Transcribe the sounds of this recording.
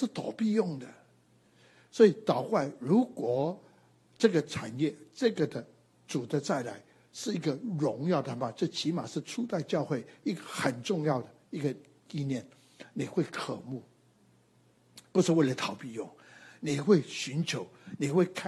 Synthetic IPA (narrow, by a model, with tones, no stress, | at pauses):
ʂɻ̩˥˩t̪ʰɔ˨˩ʊpi˥˧jʊ˥˩ŋd̪ə˩ | swɔ˧˥i˨˩t̪ɑ˨˩ʊkwa˥˩ɪɻu˧˥kwɔ˨˩ | ʈ͡ʂɤ˥˩ɡə˩ʈ͡ʂʰa˨˩njɛ˥˩ʈ͡ʂɤ˥˩ɡə˩d̪ə˨ | t͡su˨˩d̪ə˦t͡sa˥˩ɪla̰˧˥ɪ | ʂɻ̩˥˩i˧˥ɡə˨ɻʊ˧˥ŋjɑ˥˩ʊd̪ə˨˩ma˨˩t͡ɕɤ˥˩t͡ɕʰi˧˥ma̰˨˩ʂɻ̩˥˧ʈ͡ʂʰu˥˧t̪a˥˧ɪt͡ɕjɑ˥˧ʊxwe˥˩ɪi˥˩ɡə˨xə˨˩nʈ͡ʂʊ˥˧ŋjɑ˥˩ʊd̪ə˩i˧˥ɡə˨ | i˥˧njɛ˥˩n | ni˨˩xwe˥˩ɪkʰə˨˩mu˥˩ | pu˧˥ʂɻ̩˥˧we˥˩ɪlə˨˩t̪ʰɑ˨˩ʊpi˥˧jʊ˥˩ŋni˨˩xwe˥˩ɪɕy˧˥nt͡ɕʰjo˧˥ʊni˨˩xwe˥˧ɪkʰ